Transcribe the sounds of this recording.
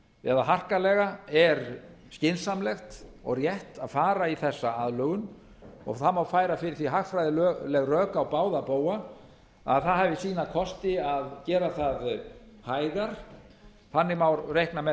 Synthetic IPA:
ɛ̰ðaɦar̥kalɛɣaɛɾ | scɪnsamlɛxt̪ɔ̰ɣrjɛht̪aðfaːɾaiθɛsːaaðlœɣʏn | ɔ̰ɣθamawfaːjɾafɪɾɪɾθviɦaxfɾajðɪlœlɛɣrœːkaɔwpaːwðapoːwa | a̰ðθaðɦaːvɪsiːnakʰɔst̪ɪaðcɛːɾaθaðhaːjðaɾ̥ | θanːɪmawɾrejhknamɛ

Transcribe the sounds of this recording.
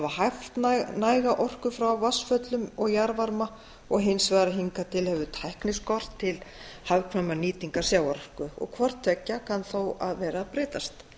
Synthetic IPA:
vahajft̪nnaːjɣaʔɔr̥kʏfɾawvasfœt̪lʏmɔɣjaɾvaɾma | ɔɣɦɪnsvɛːðɾaɦiŋkat̪ʰɪlhɛvʏt̪ʰajhknɪskɔr̥t̪ʰːɪlhawkʰvamaniːt̪iŋkasjaːwɔr̥kʏɔ̰ɣkʰvɔr̥t̪ʰvɛcːakʰanθowaðvɛːɾapɾɪːt̪ast̪

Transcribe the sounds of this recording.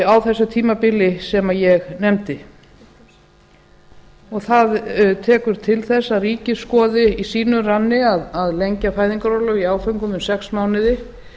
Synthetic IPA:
awθɛsːʏt̪ʰiːmapɪlɪsɛmajɛɣnɛmt̪ɪ | ɔɣθaðt̪ʰɛːkʏɾ̥t̪ʰɪlθɛsːariːcɪskɔːðɪisiːnʏranːɪaðaðlejɲcafaːjðiŋkaɾɔːlʏiaːwfœŋkʏmʏmsɛksmaːwnɪðɪ

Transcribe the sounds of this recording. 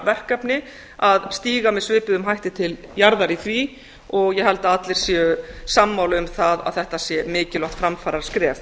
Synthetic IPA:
vɛr̥kapnɪ | aðst̪iːɣamɛðsvɪːpɪðʏmɦajht̪ɪt̪ʰɪljaɾðaɾiθvi | ɔɣjɛɦɛlt̪aat̪lɪɾ̥sjɛsamːawlʏmθaða̰ðθɛht̪asjɛmɪːcɪlɔht̪fɾamfaːɾaɾ̥skɾɛːf

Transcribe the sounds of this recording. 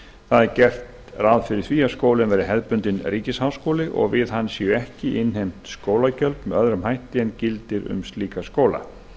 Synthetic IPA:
θaðɛɾcɛr̥t̪rawðfɪɾɪɾ̥θviːaskoːwlɪnvɛːɾɪɦɛðpʏnt̪ɪnriːcɪshaːwskowlɪʔɔ̰ɣvɪðhanːsiʏɛhcɪʔɪnɦejm̥t̪skoːwlacœlpmɛðœðɾʏmhajht̪ɪɛncɪlt̪ɪɾʏ̰mst̪liːkaskoːwla̰

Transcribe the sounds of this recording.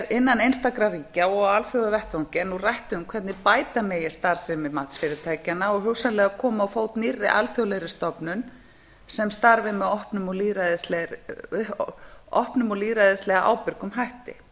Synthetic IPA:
ɾɪnːanejnst̪akɾaɾiːcaɔɣalθjowðavɛht̪vɔwŋcɪɛnːurajht̪ʏʏmkʰvɛt̪nɪpaːjt̪ameːjɪ̥st̪aɾ̥sɪmɛmat̪sfɪːɾɪt̪ʰaːjcanːaɔɣɦʏwsanlɛːɣakʰɔːmaːwfowt̪nirːɪ̰ʔa̰lθjowlɛjɾɪst̪ɔpnʏn | sɛmst̪aɾvɪmɛðɔhpnʏmɔliːɾaðɪslɛ | ɔhpnʏmɔliːɾajðɪslɛɣaʔa̰wpɪɾkʏmɦajht̪ɪ̰

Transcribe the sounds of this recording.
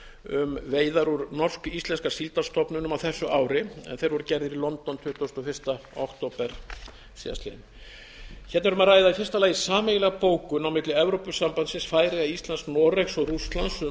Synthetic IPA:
ʏmveːjðaɾuɾnɔr̥skist̪lɛnskasilt̪ast̪ɔpnʏnʏmawθɛsːʏʔaːwɾɪɛ̰nθejɾvɔɾʏcɛɾðɪɾilɔnt̪ɔnt̪ʰʏht̪owst̪ɔfɪr̥st̪aɔkt̪owpɛɾ̥ | sḭːða̰st̪lḛn | çɛt̪nvɛɾʏmaðɾaːjðafjɛrst̪alajɣisaːmejɣɪlɛɣpoːwkʏnawmɪt̪lɪɛvɾowpʏsampansɪnsfaːjɾɪaist̪lansknɔɾeksɔɣrust̪lans

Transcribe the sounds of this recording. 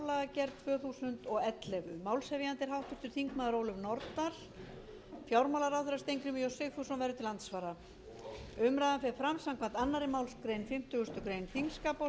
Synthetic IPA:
laacɛɾ̚t̪ʰvœːθuːsʏnt̪ɔɣɛt̪lɛvʏmaːwlshɛvjant̪ɪɾ̥ɦawht̪vɪst̪ʏɾ̥θiŋkmaðaɾoːwlʏmnɔɾt̪aɾ̥ | fjawɾmawlaɾawθɛɾast̪ejŋkɾʏmijɔsɪɣθusɔnvɛɾðʏt̪ʰɪlant̪svaːɾa | ʏmɾaːðanfɛɾfɾamsawm̥kʰvant̪anːaɾɪmaːwlskɾeːjnfɪm̥t̪ʏɣʏst̪ʏkɾejnθiŋskaːpɔ

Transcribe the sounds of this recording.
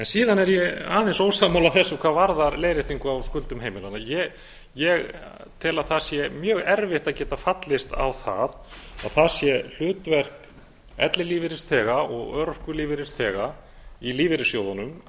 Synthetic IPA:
ɛnsiːðanɛɾjɛa̰ːðɪnsoːwsamawlaθɛsːʏkʰvaːðvaɾðaɾleːjɾɪht̪iŋkʏawskʏlt̪ʏmɦeːjmɪlanajɛ | jɛɣ | t̪ʰɪlaðθasjɛmjœːɣɛɾvɪht̪aðcɛːt̪afat̪lɪst̪a̰wθa̰ða̰ðθasjɛl̥ʏːt̪vɛr̥k | ɛ̰t̪lɪliːvɪɾɪst̪ʰɛːɣaʔɔɣœɾhkʏliːvɪɾɪst̪ʰɛːɣa | iliːvɪɾɪsjowðanʏm

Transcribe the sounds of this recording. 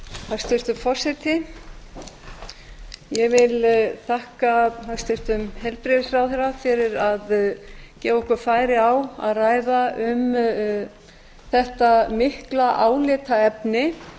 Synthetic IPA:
θḁst̪ɪr̥t̪ʏmfɔr̥sɛt̪ɪ | jɛvɪlt̪ʰahkaast̪ɪr̥t̪ʏmhɛlpɾɪðɪsrawðɛɾafɪɾɪɾaðcɛːvɔhkʏɾfaːjɾɪawa̰ðraːjðaʏm | θɛht̪amɪhklaʔaːwlɪːt̪aɛpnɪ

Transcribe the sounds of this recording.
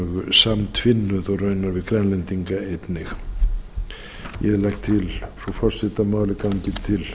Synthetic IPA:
ɣʏsamt̪ʰvɪnːʏðɔɣrœɥnaɾvɪðkɾɛnlɛnt̪iŋkaejt̪nɪx | jɛðlajkt̪ʰɪlsɔfɔr̥sɪt̪amaːwlɪkaɲcɪt̪ʰɪl

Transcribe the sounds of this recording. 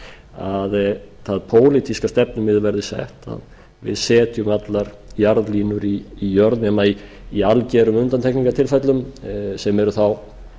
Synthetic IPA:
að | θaðpʰoːwlɪt̪ʰiskast̪ɛp̚nʏmɪðvɛɾðɪsɛ̰ht̪a̰ð | vɪ̰ðsɛːt̪jʏmat̪laɾ | jaɾðliːnʏɾiːjœɾt̪nɛmaiː | alcɛɾʏmʏnt̪ant̪ʰɛhkniŋkat̪ʰɪlfɛt̪lʏmsɛmɛɾʏθaw

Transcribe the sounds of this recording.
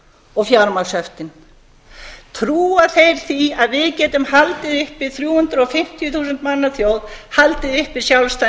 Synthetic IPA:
ɔɣfjaɾmalsœft̪ɪn | t̪ʰɾuːaθejɾ̥θiaðvɪðcɛːt̪ʏmhalt̪ɪðʏhpɪðθɾjuːhʏnt̪ɾɔfɪm̥t̪ʰjʏθuːsʏnt̪manːaθjowðhalt̪ɪðʏhpɪsjawlst̪a

